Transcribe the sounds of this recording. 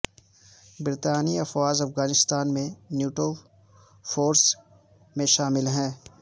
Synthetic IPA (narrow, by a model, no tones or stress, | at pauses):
bɪɾt̪aːniɐfwaːzɐfɣaːnɪst̪aːnmẽnjuːʈo | foːɾs | mẽʃaːmɪlɦɛ̃ː